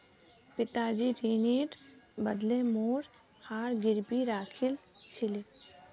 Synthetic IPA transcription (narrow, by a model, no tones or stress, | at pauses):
pɪt̪aːd͡ʒiɾiːneːʈbəd̪lẽmoːɾ | haːɾɡɪɾbiɾaːkʰɪlsɪli